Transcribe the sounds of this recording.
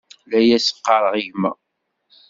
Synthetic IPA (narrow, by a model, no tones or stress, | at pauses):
læjæsə̥qːɑɾˤəʁiʝmæ̰